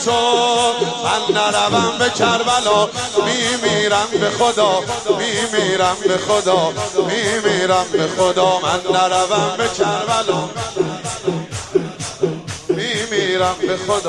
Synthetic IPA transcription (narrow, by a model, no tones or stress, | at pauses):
t̪ʰo | mænːæɾævæmbecʰæɾbælɒːmiːmiːɾæmbexod̪ɒːmiːmiːɾæmbexod̪ɒːmiːmiːɾæmbexod̪ɒːmænːæɾævæmbekʰæɾbælː | miːmiːɾæmbexod̪